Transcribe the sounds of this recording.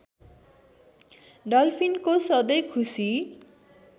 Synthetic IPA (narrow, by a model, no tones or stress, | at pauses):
ɖʌlpʰinkosʌd̪ʌjkʰusi